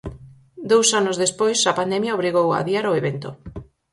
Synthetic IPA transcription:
d̪owsanʊzðespojsɐpand̪ɛmjaoβɾiɣowa̰ðiaɾoeβent̪o̰

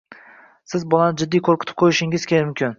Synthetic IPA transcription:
sɪzbɒlanɪd͡ʒɪd̪ːijkʰoɾkʰʲɪ̥t̪ʰɪ̥p̚qʰojɪʃɪŋɪz̥kʲʰelɪmʊmkʲɪn

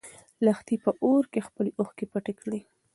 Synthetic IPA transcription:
laxt̪ipəʔoɾkexpəloxkepaʈekɽi

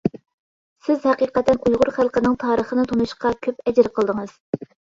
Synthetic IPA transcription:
sɪzhɛqiːqɛt̪ːɛnujʁʊɾχælˠqənɪŋt̪ʰɑːɾəχənɨt̪ʰonuʃqɑkʲʰøpɛd͡ʒɾqʰəlˠd̪ɨŋɨz̥

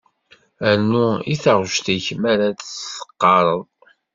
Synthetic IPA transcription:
ænːuiθəʁʃt̪æçmæɾad̪sə̥qːɑɾˤəðˤ

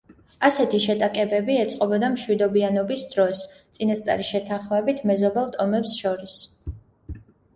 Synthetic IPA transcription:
asɛt̪ʰiʃɛt̪ʼakʼɛbɛbiɛt̪sʼqʼɔbɔd̪amʃwid̪ɔbianɔbisd̪ɾɔst̪sʼinast̪sʼa̰ɾiʃɛt̪ʰanχmɛbit̪ʰmɛzɔbɛlˠt̪ʼɔmɛpsʃɔɾis

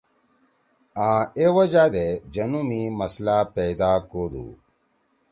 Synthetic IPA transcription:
ãːewɐd͡ʑaːd̪ed͡ʑɐnumimɐslapejd̪aːkoːd̪ṵ

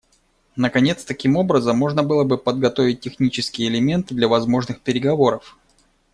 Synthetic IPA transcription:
nəkɐnʲe̞t̪st̪ɐkʲimo̞bɾəzəmːo̞ʐnəbɨlˠəbɨpəd̪ɡɐt̪o̞vʲɪt̚ʲːɪxnʲit͡ɕɪskʲɪjəɪlʲɪmʲe̞nt̪ɨd̪lʲɐvɐzmo̞ʐnɨxpʲɪɾʲɪɡɐvo̞ɾəf

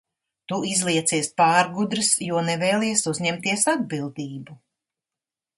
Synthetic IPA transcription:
t̪uizlˠiɛt̪siɛspaːɾɡud̪ɾɨsjuɔnɛvɛːlˠiːɛsuzɲɛmt̪iɛsad̪̚bilˠd̪iːbu

